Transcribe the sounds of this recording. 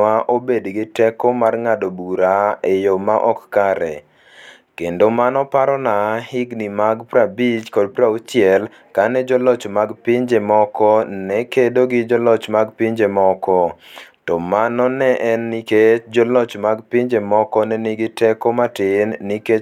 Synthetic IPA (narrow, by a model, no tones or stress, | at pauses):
aʔobedɡɪtɛkɔmarŋadobuɾaejomaʔɔkːkaɾɛ̰ | kendomanɔpaɾɔnahɪɡnimaɡpɾabit͡ʃkɔdpɾaut͡ʃjɛl | kanɛd͡ʒɔlɔt͡ʃmaɡpɪɲd͡ʒemɔkɔnɛkedoɡɪd͡ʒɔlɔt͡ʃmaɡpiɲd͡ʒemɔkɔtɔmanɔnɛʔɛnːiket͡ʃd͡ʒɔlɔt͡ʃmaɡpɪɲd͡ʒemɔkɔnɛnɪɡɪtɛkɔmatɪnːike